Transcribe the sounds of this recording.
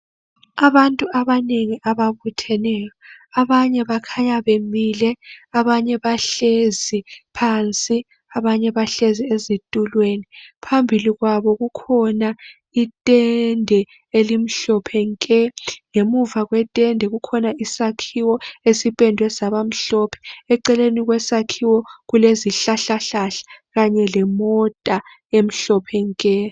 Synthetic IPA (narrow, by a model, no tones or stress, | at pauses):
aβantʼuʔaβaneŋiʔaβaβutʰɛnɛːjɔaβaɲɛβakʰaɲaβemilɛaβaɲɛβaɬezipʰant͡sʼi | aβaɲɛβaɬeziezitʼulwenipʰambʱiliɣwaβɔɣukʰɔna | itʼɛndʱɛ | elim̩ɬɔpʰɛŋkʼɛŋemuvaɣwɛtʼɛndʱɛɣukʰɔnaisakʰiwɔesipʼɛndʱwɛsaβam̩ɬɔpʰɛ̥ɛǀɛleniɣwɛsakʰiwɔɣuleziɬaɬaɬaɬḁɣaɲɛlɛmɔtʼa | em̩ɬɔpʰɛŋkʼɛ